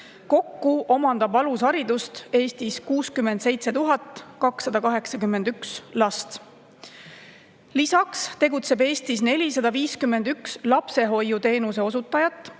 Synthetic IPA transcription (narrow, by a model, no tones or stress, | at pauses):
ko̞kːuʔo̞mɑnd̪ɑbɑlusɑɾid̪̥ust̪e̞ːst̪iskuːskymːe̞nd̪̥se̞jt̪se̞t̪uɦɑt̪ːˑkɑksːɑd̪̥ɑkɑɦe̞ksɑkymːe̞nd̪̥ykslɑst̪ | lisɑkst̪e̞ɡ̥ut̪se̞be̞ːst̪isne̞lʲisɑd̪ɑviːskymːe̞nd̪ykslɑpse̞ɦo̞jːut̪e̞ːnuse̞o̞sut̪ˑːɑjɑt̪ːˑ